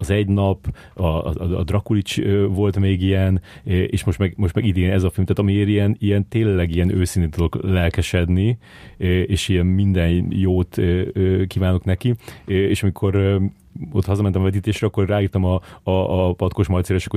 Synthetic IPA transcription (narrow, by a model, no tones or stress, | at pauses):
ɒzɛɟnɒp | ɒ̰ːd̪rɒkulit͡ʃøvo̞lt̪meːɡijɛnʔḛːʃmo̞ʃt̪mɛɡmo̞ʃt̪mɛɡid̪eːnɛzɒfilmt̪aːt̪ɒmieːɾijɛnijɛnt̪eːlːɛɡiɛnøːsinet̪t̪ud̪o̞klɛlkɛʃɛd̪ni | øeːʃijɛnmind̪ɛnjoːt̪øøːkiːvaːno̞knɛkieːʃɒmikʰo̞ɾ | o̞t̪ːhɒzɒmɛnt̪ɛmɒvɛt̪iːt̪eːʃrɾɛɒkːo̞rraːiːrt̪ɒmɒː | pɒt̪ko̞ʃmɒjt̪seːɾɛʃɛ̥kːo